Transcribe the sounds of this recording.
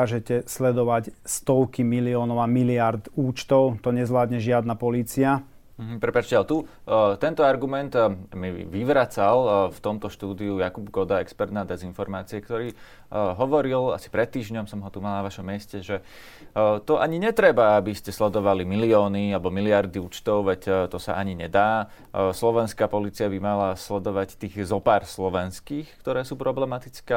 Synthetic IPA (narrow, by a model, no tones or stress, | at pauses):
aːʒɛcɛslɛd̪ɔʋacst̪ɔʊkimiliɔːnɔʋamiliaɾd̪uːt͡ʃt̪ɔʊt̪ɔɲɛzʋlaːd̪ɲɛʒɪad̪napɔliːt͡sia | m̩ɦ̩pɾɛpat͡ʃcɛalt̪ut̪ɛnt̪ɔaɾɡumɛnt̪miʋiʋɾat͡salft̪ɔmt̪ɔʃt̪uːd̪iujakubɡɔd̪aɛkspɛɾt̪naːd̪ɛzinfɔɾmaːt͡siɛkt̪ɔɾiː | ɦɔʋɔɾila̰si̥pɾɛt̪̚ːiːʒɲɔmsɔmɦɔt̪umalanaʋaʃɔmːɛscɛʒɛ | t̪ɔʔaɲiɲɛt̪ɾɛbaabiscɛslɛd̪ɔʋalimiliɔːnialɛbɔmiliaɾd̪iuːt͡ʃt̪ɔʊʋɛct̪ɔsa̰ʔaɲiɲɛd̪aː | slɔʋɛnskaːpɔliːt͡siabimalaslɛd̪ɔʋact̪iːɣzɔpaːɾslɔʋɛnskiːxkt̪ɔɾɛːsuːpɾɔblɛmat̪it͡skɛː